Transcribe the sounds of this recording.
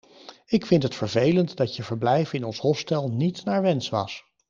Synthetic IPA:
ɪkfɪntɦətfəɹvejləntdɑtjəvəɹblɛjvɪnɔnsɦɔstɛlˠnitnaːɹʋɛnsʋɑ̰s

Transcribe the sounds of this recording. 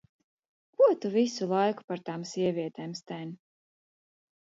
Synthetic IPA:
kuɔt̪uvisulˠajku̥paɾt̪aːmsʲiɛvʲiɛt̪ɛːmst̪ɛnʲ

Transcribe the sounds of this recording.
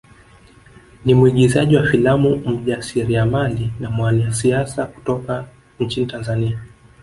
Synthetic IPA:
nimuiɠizaʄiwafilamum̩ʄasiɾiamalinamwaniasiasaku̥tɔka | ɲ̩t͡ʃinitanzania

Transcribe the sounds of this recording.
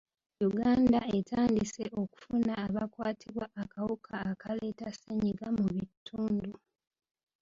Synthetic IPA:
juɡaːndae̞taːndise̞ʔo̞ku̥funaːβakwaːtʰiβwaʔːkawukʰaːkale̞ːtaseɲiɡamuβitʰːuːndu

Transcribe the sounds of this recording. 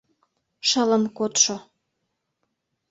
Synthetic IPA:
ʃələ̆nkot̪ʃo

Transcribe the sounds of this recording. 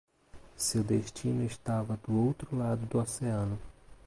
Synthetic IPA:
sewd̪eʃt͡ʃinʊeʃt̪avɐd̪ʊowt̪ɾʊlad̪ʊd̪ʊoseɐ̃nʊ

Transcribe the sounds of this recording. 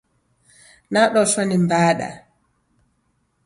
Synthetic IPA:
naɗɔsonimbaːɗa̰

